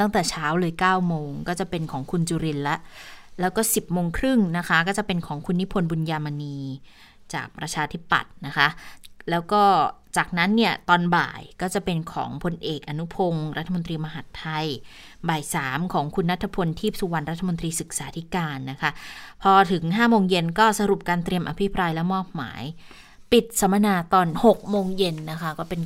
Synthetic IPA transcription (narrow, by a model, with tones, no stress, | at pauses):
t̪a˥˩ŋt̪ɛː˨˩t͡ɕʰaː˦˥wlɤː˧jkaː˥˩wmoː˧ŋkɔː˥˩t͡ɕa˨˩pe˧nkʰɔː˩˦ŋkʰu˧nt͡ɕuː˧ɾi˧nla˦˥ʔlɛː˦˥wkɔː˥˩si˨˩p̚moː˧ŋkʰɾɯ˥˩ŋna˦˥kʰa˦˥kɔː˥˩t͡ɕa˨˩pe˧nkʰɔː˩˦ŋkʰu˧nːi˦˥pʰo˧nbu˧njaː˧ma˧niː˧ | t͡ɕa̰ː˨˩k̚pɾa˧t͡ɕʰaː˧t̪ʰi˦˥pːa̰˨˩t̪̚na˦˥kʰa˦˥ʔlɛː˦˥wkɔː˥˩t͡ɕaː˨˩k̚na˦˥nːi˥˩ɐt̪ɔː˧nba̰ː˨˩jkɔː˥˩t͡ɕa˨˩pe˧nkʰɔ̰ː˩˦ŋpʰo˧nʔeː˨˩k̚ʔa˧nu˦˥pʰo˧ŋɾa˦˥t̪ʰːa˧mo˧nt̪̬ɾiː˧ma˧ɦa˨˩t̪ʰːa˧j | baː˨˩jsaː˩˦mkʰɔː˩˦ŋkʰu˧nɾa˦˥t̪ʰːa˧pʰo˧nt̪ʰiː˥˩p̚su˧wa˧nɾa˦˥t̪ʰːmo˧nt̪ɾiː˧sɯ˨˩k̚saː˩˦t̪ʰi˦˥kaː˧nːa˦˥kʰa˦˥pʰɔː˧t̪ʰɯ˩˦ŋɦaː˥˩moː˧ŋje˧nkɔː˥˩sa˧ɾu˨˩p̚kaː˧nt̪ɾi˧əmʔa˧pʰi˦˥pɾaː˧jlɛ˦˥wmɔː˥˩p̚ma̰ː˩˦j | pi˨˩t̪̚sa˨˩˦ma˧naː˧t̪ɔː˧nho˨˩k̚moː˧ŋje˧nːa˦˥kʰa˦˥kɔː˥˩pe˧n